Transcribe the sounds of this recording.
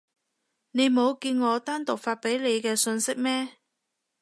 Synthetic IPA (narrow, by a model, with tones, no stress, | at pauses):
ne˨˧jmo˨˧wkiː˧nŋɔː˨˧t̪aː˥nt̪ʊ˨k̚faː˧t̚pe˨˥jle˨˧jkɛː˧sɵ˧nsɪ˥k̚mɛː˥